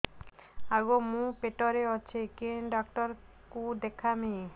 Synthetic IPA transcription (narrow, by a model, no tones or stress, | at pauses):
aɡomũpeʈɔɾeɔt͡ɕʰekenɖɔk̚ʈɔɾ | kud̪ekʰame